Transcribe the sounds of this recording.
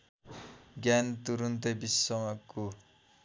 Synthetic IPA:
ɡant̪uɾunt̪ebisʌmaku

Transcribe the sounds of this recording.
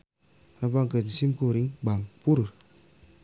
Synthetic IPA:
ɾabaŋkətsimkuɾiŋbaŋpuɾɾ

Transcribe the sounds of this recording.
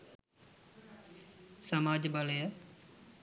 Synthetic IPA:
sɐmaːd͡ʒəbɐləjə

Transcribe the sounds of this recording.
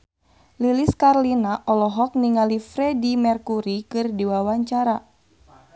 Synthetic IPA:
liliskarlinaʔɔlɔɦɔk̚niŋalifɾɛdimɛrkuɾikɨrdiwawaɲt͡ʃaɾa

